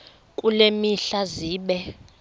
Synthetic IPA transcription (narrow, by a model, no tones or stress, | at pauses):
kʼulemiɬaziːɓɛ